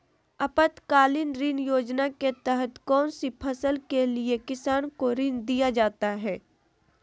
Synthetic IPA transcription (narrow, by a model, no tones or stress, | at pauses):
ɐpət̪kaːlɪnɾɪ̃njoːd͡ʒnaket̪ɛɦət̪kɔːnsipʰɐsəlkeliekɪsaːnkoɾɪ̃nd̪ijad͡ʒaːt̪aɦɛː